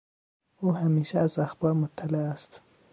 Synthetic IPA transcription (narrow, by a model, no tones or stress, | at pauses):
uːɦæmiːʃææzæxbɒːɾmot̪ʰːælææst̪